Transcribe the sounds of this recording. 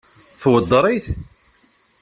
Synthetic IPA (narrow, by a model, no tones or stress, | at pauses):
θwəd̪ːɾˤiθ